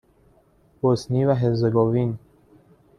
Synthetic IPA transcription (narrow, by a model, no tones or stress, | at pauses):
bosnivaɦezeɡovin